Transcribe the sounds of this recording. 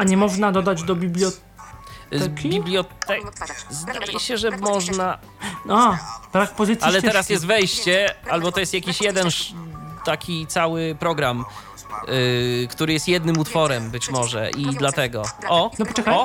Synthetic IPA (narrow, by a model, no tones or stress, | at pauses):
aɲɛmɔʐnad̪ɔd̪ad͡ʑd̪ɔbʲiblʲjɔ | bʲiblʲjɔt̪ɛzd̪a̰jɛ̰ɕɛʐɛmɔʐna | ab̥ɾakpɔzɨt̪alɛt̪ɛɾasjɛst̪vɛjɕt͡ɕɛalbɔt̪ɔjɛst̪jakʲiɕjɛd̪ɛnʂt̪akʲit̪sawɘpɾɔɡɾam | kt̪uɾɘjɛst̪jɛd̪nɘmut̪fɔɾɛmbɘt͡ɕmɔʐɛ̰ʔid̪lat̪ɛɡɔʔɔnɔpɔɛkaɔ